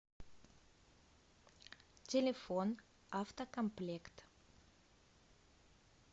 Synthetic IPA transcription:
t̪ʲelefon | ʔɑft̪akɔmplɛkt̪

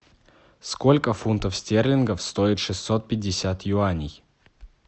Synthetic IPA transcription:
skolʲkəfunt̪əfsʲtʲerlʲɪnɡəfst̪oɪt̪ʂɨssot̪̚pʲɪdʲːɪsʲat̪jʊanʲɪj

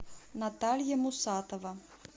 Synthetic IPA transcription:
nat̪alʲjɐmʊsat̪ɔvɐ

